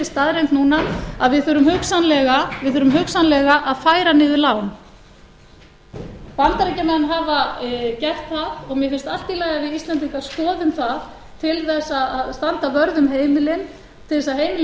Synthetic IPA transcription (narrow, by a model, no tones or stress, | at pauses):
ɪst̪aðɾejnt̪nuːnaaðvɪðθʏːɾʏmhʏksanlɛɣavɪðθœːɾʏmɦœksanlɛɣaʔaðfaːjɾanɪːðʏlaːwn | pant̪aɾɛcamɛnɦavacɛr̥t̪θaðɔɣmjɛfɪnst̪al̥t̪ilajɣavɪðist̪lant̪iŋkḁskɔːðʏmθað | t̪ʰɪlθɛsːaaðst̪ant̪avœɾðʏmɦeːjmɪlɪn | t̪ʰɪlθɛsaɦeːjmɪl